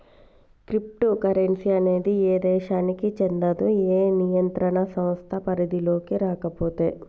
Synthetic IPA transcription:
kɾip̚ʈukɐɾensiɐne̞ːd̪ieːd̪ɛːʃaːnikit͡ʃend̪ɐd̪ueːnijɐnt̪ɾɐɳɐsɐmst̪ʰɐpɐɾid̪ilo̞ːkiɾaːkɐpoːt̪ḛː

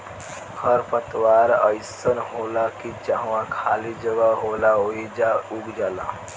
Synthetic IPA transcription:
həɾpət̪waɾəjsənɦolakid͡ʒaɦwãkʰaːlid͡ʒəɡaɦolaoid͡ʒauɡd͡ʒaːla̰

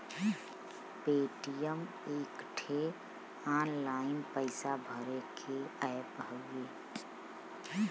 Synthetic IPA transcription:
peːʈijəm | eːkʈʰe | aːnlaːɪnpəɪsabʱəɾekʰeəjpəɡeː

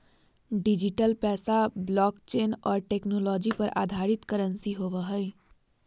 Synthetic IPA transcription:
ɖɪd͡ʒɪʈəlpɛːsablɔːkt͡ʃeːnɔːɾʈeːknɔːlɔːd͡ʒipɐɾa̰ːd̪ʱaːɾɪt̪kəɾə̃nsiɦoːʋəɦɛ

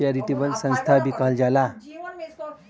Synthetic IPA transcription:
aɾiʈibəlsə̃ñst̪ʰabikald͡ʑala

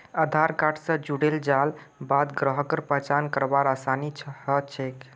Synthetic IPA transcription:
əd̪ʱaɾkaʈʰsə̃d͡ʒuɽeld͡ʒal | bad̪ɡɾəɦəkəɾpəɦt͡ʃankəɾbaɾasanit͡ʃʰhət͡ʃʰek

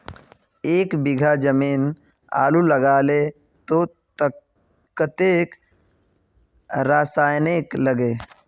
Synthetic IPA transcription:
eːkbɪɡʱad͡ʒəmiːn | a̰ːluləɡaːle | t̪o | t̪ | kət̪eːk | ɾaːsaːjnekləɡeː

